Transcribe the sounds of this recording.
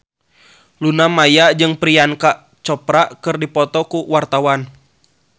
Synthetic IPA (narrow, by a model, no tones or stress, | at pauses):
lunamajaʔd͡ʒɨŋpɾiankaʔ | t͡ʃɔpɾaʔkɨrdipɔt̪ɔkuwart̪awan